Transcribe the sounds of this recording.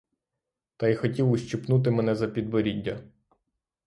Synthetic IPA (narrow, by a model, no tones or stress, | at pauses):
t̪ɐjxɔtʲiwʊʃt͡ʃipnut̪̬ɪmɛnɛzɐpʲid̪bɔɾʲidʲːɐ